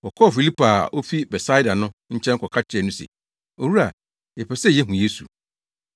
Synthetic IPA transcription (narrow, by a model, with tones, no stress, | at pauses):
wɔ˨kʰɔ˦˨fi˨li˦pʰa˨o˦fi˦bɛ˨sa˦i˦da˨nʊ̃˦ɲ̩˦t͡ɕʰɛ̃˦ŋkʰɔ˨kʰa˦t͡ɕʰɪ˦ɛ˨nʊ̃˦sḛ˨ | o˨wu˦ɾa˨ | jɛ˨pʰɛ˨sɛ˦˨ɛ˦ɦũ˨je˦sṵ˨